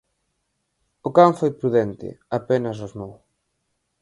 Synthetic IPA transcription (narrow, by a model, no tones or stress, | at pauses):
ʊkaɱfojpɾuðɛnt̪ɪ̰apenɐsoznow